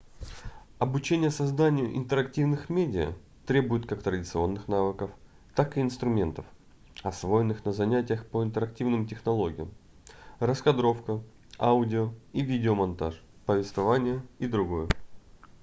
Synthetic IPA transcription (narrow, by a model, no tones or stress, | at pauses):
ɐbʊt͡ɕenʲɪjəsɐzd̪anʲɪjʊ̰ʔɪ̰nt̪əɾɐktʲivnɨxmʲedʲɪə̰ | t̪ɾʲe̞bʊjɪt̪kakt̪ɾədʲɪt̪sɨo̞nːɨxnavɨkəf | t̪akɨːnst̪ɾʊmʲe̞nt̪əf | ɐsvo̞jɪnːɨxnəzɐnʲætʲɪjəxpəɪnt̪əɾɐk̚tʲivnɨmtʲɪxnɐlˠo̞ɡʲɪjəm | ɾəskɐd̪ɾo̞fkə | aʊdʲɪoivʲidʲɪomɐnt̪aʂpəvʲɪst̪vɐvanʲɪjəid̪ɾʊɡo̞jə